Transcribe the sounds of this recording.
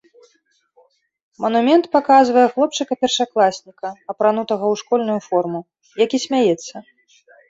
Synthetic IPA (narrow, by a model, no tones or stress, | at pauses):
mɐnumʲɛnt̪pakazvɐjɛxlˠɔp̚t͡ʂɨkɐpʲɛrʂaklˠasʲnʲikɐɐpɾanut̪ɐɣɐwʂkɔlʲnujufɔrmu | jakʲisʲmʲajɛt̪sːɐ